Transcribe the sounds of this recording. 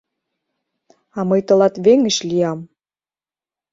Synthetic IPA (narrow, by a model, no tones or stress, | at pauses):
ɑmɤjt̪ə̆lɑt̪βeŋə̆ɕlʲiɑm